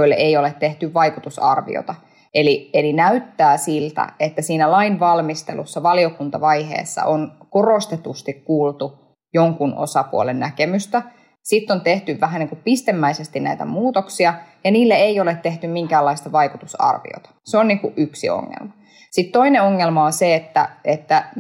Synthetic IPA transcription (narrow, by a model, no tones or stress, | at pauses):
oilːḛʔeijolet̪te̞ht̪yʋʋɑikut̪usɑ̰rʋḭo̰t̪ɑ | elielinæyt̪ːæːsilt̪æ̰et̪ːæsiːnælɑinʋɑlmist̪elṵsːɑʋɑliokunt̪ɑʋɑjɦḛːsːɑ̰ʔonkorost̪et̪ust̪ikkːuːlt̪u | joŋkuno̰sɑpuolennækemyst̪æ | sit̪ːont̪eht̪yʋʋæɦæniːŋkupist̪emːæisest̪innæit̪æ̰muːt̪oksiɑjɑniːlːeeiolet̪t̪eht̪ymiŋkæːlːɑist̪ɑʋɑikut̪usɑ̰rʋḭo̰t̪ɑ̥seoniŋkuʔʔyksḭo̰ŋːḛlmɑ | sit̪to̞ineoŋːelmɑonseet̪ːæ̰et̪ːæ